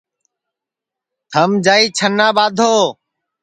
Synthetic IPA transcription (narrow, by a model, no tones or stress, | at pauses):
t̪ʰəmd͡ʒaːiːt͡ʃʰənːãːbaːd̪ʱoː